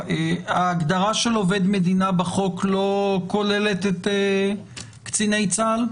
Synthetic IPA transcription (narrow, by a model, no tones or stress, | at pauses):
eaːɡd̪aʁaʃelove̞d̪me̞d̪inabaχo̞klo̞ko̞le̞le̞t̪ete | kt͡sine̞jt͡sal